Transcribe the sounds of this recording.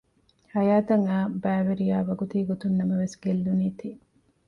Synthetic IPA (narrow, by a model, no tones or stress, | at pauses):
hɐjaːt̪ɐŋaːbæːʋeɾijaːʋɐɡut̪iːɡot̪unːɐmɐʋesɡelːuniːt̪iː